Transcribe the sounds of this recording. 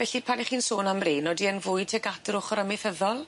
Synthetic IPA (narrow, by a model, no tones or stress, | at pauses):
vɛɬipʰaniχiːnsoːnamreːnɔdiənvʊj̚tʰɛɡatɾʊχɔɾəmɪfəðɔlˠ